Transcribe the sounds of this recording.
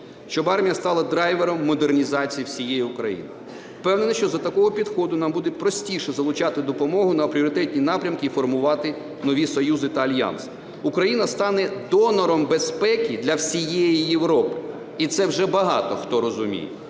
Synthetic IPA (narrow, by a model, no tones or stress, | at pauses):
ʃt͡ʃɔbɑrmʲijɐst̪ɑlˠɐd̪ɾɑjʋeɾɔmːɔd̪ernʲizɑt͡sʲijiwsʲijɛjiukɾɐ̰jḭnɪ̰ | fpɛwnenɐʃt͡ʃɔzɐt̪ɐkɔɦɔpʲid̪xɔd̪ʊnɑmbud̪ɛpɾɔsʲtʲiʃɛzɐlˠʊt͡ʃɑt̪ɪd̪ɔpɔmɔɦʊnɐpɾʲiɔɾɪt̪ɛtʲnʲinɑpɾʲɐmkɪifɔrmʊʋɑt̪ɪ | nɔʋʲisɔjuzɪt̪ɐɐlʲjɑ̰ns | ukɾɐjinɐst̪ɑnɛd̪ɔnɔɾɔmbespɛkʲid̪lʲɐwsʲijɛjijeʋɾɔpɪ̥ | it̪sɛwʒɛbɐɦɑ̰t̪ɔxt̪ɔɾɔzʊmʲḭjɛ̰